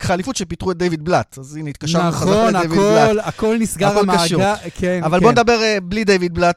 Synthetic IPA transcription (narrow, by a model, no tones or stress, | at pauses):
χalifutʃepitʁuet̚d̪ejvid̪̚blatazinit̪̚kaʃaeazodevidbllalakolnisɡaolkaʃukʰeavalo̞ned̪abe̞ʁeblid̪ejvid̪̚blat